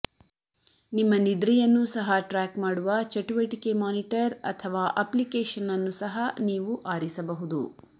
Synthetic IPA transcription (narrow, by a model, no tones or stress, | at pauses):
nimːɐnid̪ɾɛjɐnːusɐɦɐʈɾaːkmaːɽuʋɐt͡ʃɐʈuʋɐʈike̞maːniʈɐɾɐ̰t̪ʰɐʋaːʔɐplikeːʃɐnːɐnːusɐɦɐniːʋuʔaːɾisɐbɐɦud̪ṵ